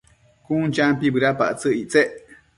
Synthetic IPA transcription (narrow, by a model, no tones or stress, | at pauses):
kũnt͡ʃãmpibɨɾapa̰ʔt͡sɨʔiʔt͡seʔ